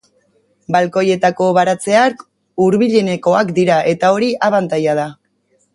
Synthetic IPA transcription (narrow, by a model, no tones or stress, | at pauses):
balko̞je̞t̪ako̞βaɾat͡se̞ak | uɾβiʎe̞ne̞ko̞akd̪iɾaʔe̞t̪ao̞ɾiʔaβant̪ajað̞a